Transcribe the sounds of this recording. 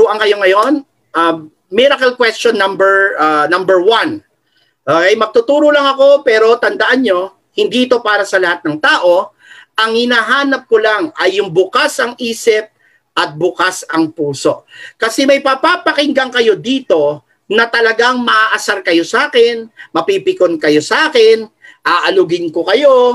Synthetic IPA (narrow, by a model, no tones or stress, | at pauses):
uʔɐŋkɐjo̞ŋɐjo̞n | ʔɐ | miɾɐkɐlkwɛstonːɐmbɛɹanɐmbɛɹwɐn | ʔoɐjmɐɡ̚t̪ʊt̪uːɾolɐŋɐko̞pɛːɾo̞t̪ɐnd̪ɐʔanɲo̞ | hɪnd̪iʔɪt̪o̞paːɾɐsɐlɐhat̪̚nɐŋt̪aːʔo̞ | ʔɐŋhɪnaːɦaːnɐp̚kolaŋɐjːʊŋbʊkasɐŋiːsɪp̚ | ʔɐt̪̚bʊkasɐŋpuːso̞ʔkɐsɛmɐjpapapɐkɪŋɡɐŋkɐjo̞d̪iːt̪o̞ | nɐt̪ɐlɐɡaŋmɐʔaʔɐsaɾkɐjo̞saːkɪnmɐpipɪkonkɐjo̞sɐʔaːkɪnʔaːʔɐlʊɡɪnkokɐjo̞